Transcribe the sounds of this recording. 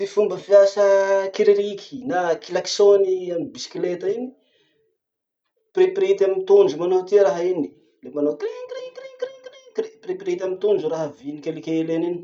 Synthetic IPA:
ifumbəfiasəkiɾiɾikʰʲi̥nakilaksoniamibisi̥klet̪aini̥ | pripɾit̪amit̪und͡ʒumanot̪iəɾaɦini̥ | lemanokɾiŋkɾikɾiŋkɾikɾikɾipripɾit̪amit̪und͡ʒuɾaɦəvinikʲelikʲelenini

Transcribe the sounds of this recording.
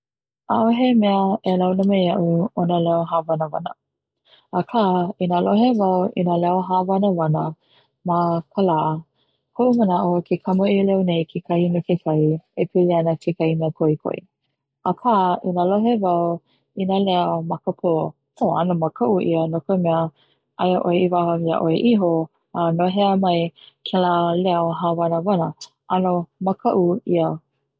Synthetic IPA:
aʔoɦemɛəʔelawnəmejɐʔuonəlɛoɦaːvɐnəvɐ̰nə̰ | ʔːkʰaːinaloɦevɐwḭnalɛoɦaːvɐnəvɐnə | makʰəlaː | kʰoʔumənaʔokʰekʰɐməʔiəlɛonejkʰekʰɐhinekʰekʰɐjiepʰiliɐnəkʰekɐimeəkʰoikʰo̰ḭ | akʰaʔinaloɦevɐw | inalɛəmɐkəpʰo | oɐnomɐkʰɐʔuʔḭənokəmɛə | ʔɐjəʔoeivahɐviə̰ʔoeʔiɦo | anoɦɛəmɐjkʰelalɛoɦavɐnəvɐnə | ʔɐnomɐkʰɐʔuiə

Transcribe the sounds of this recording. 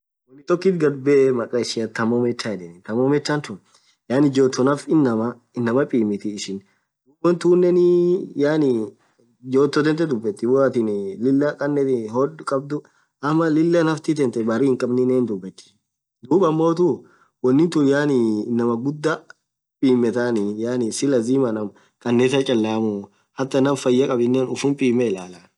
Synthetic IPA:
wɔnːɪt̪ɔkːit̪ɡɐɾbɛmɐkʼɐɪʃɪɐt̪ːɐmɔmɛt͡ʃːaːjɛᶑɛnɪt̪ɐmɔmɛt͡ʃːant̪ʊn | jaːnɪd͡ʒoːt̪ːɔnɐfɪnːɐmɐ | ɪnːɐmɐpʼiːmɪt̪ɪːʃɪn | d̪uːbɔnt̪uːnːɛnɪjaːnɪ | d͡ʒoːt̪ːɔt̪ɛnt̪̬ɛd̪ʊbːɛt̪ːɪwɔɐt̪ɪnlɪlːɐkʼɐnːɛt̪ɪɦɔdkʼɐb̚d̪ʊ | ʔɐmːɐlɪlːɐnɐft̪ɪt̪ɛnt̪ɛbɐɾiːɪŋkʼɐbnɪneːnd̪ʊbːɛt̪ːɪ̥ | d̪uːbɐmːo̞ːt̪u | wɔnːɪnt̪ʊjaːnɪnɐmɐɡʊd̪ːɐ | pʼiːmːɛt̪anɪjaːnɪsɪlɐziːmɐnɐm | kʼɐnːɛːt̪ɐt͡ʃʼɐlːaːmʊ | hɐt̪ːɐnɐmfɐjːɐkʼɐbɪnːɛːnʊfʊmpʼiːmɛɪlaːlaːn

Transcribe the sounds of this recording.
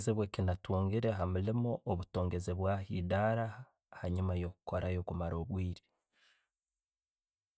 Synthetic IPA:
zeβwekinatuːŋɡiɾe̞ɦamulimoʔːβutoːŋɡe̞zeβwahidaːɾa | haɲumajo̞ːkuko̞ɾajo̞kumaɾo̞ːβwiːɾi̥

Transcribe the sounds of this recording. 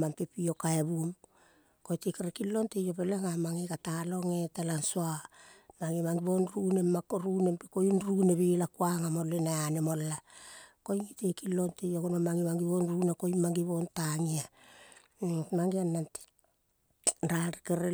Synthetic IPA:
mampepiokaeβum | ko̞jtekeɾekilːo̞ntejopeleŋamaŋikatalo̞ŋetelansoamaŋimaŋɡiβonɾunemakoɾune̞mpikojunɾuneβilakuaŋamolːenaanemolːako̞jŋitekilːo̞ntejoɡonomaŋimaŋɡiβonɾuneko̞jmaŋɡiβo̞ntaŋia | maŋɡianːant | ɾaɾikeɾe

